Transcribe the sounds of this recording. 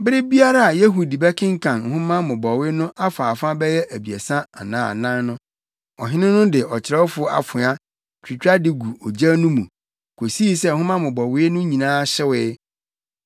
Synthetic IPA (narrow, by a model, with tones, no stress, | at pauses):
bɪ˦ɾɪ˦bi˦a˦ɾa˦˨a˨je˦ɦu˨di˨bɛ˦kʰɪ̃˦ŋ̩˦kʰã˨n˨hʊ̃˦mã˦mʊ̃˨bɔ˨wɪ˦nʊ̃˦ʔa˦faː˨fã˦bɛ˦jɛ˦ʔæ˨bi˨ɛ˨sã˦a̰˨nã̰ː˦˨nã˦nnʊ̃˦ | ɔ˨ɦɪ˦nɪ̃˦nʊ̃˦dɪ˨ʔɔ˨t͡ɕʰɪ˨ɾɛ˦wfʊ˨˦a̰˨fʊ̃˨a˦ | tʰᶣi˨t͡ɕᶣa˦dɪ˨ɡu˨ɔ˨d͡ʑa˦nũ˦mũ˨ | kʰo˨si˦i˦sɛ˦˨hʊ̃˦mã˦mʊ̃˨bɔ˨wɪ˦nʊ̃˦ɲĩ˨nãː˦ɕɪ˦wɪ˦